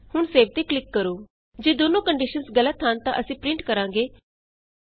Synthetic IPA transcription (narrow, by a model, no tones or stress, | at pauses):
hʊɳseːʋt̪eːklɪkːəɾoː | d͡ʒeːd̪oːnõːkəɳɖɪʃənsɡələt̪ɦənt̪ã̰ʔəsĩːpɾɪ̃ɳʈkəɾãːŋɡeː